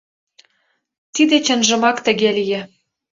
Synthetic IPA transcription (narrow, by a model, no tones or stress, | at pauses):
t̪id̪et͡ɕə̆nʒə̆mɑkt̪ə̆ɣelijĕ